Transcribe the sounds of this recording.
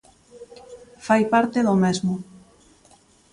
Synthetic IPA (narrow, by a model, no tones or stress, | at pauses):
fajpaɾt̪eðomezmʊ